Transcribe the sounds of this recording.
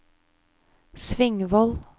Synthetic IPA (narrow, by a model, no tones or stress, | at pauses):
sʋɪŋʋɔl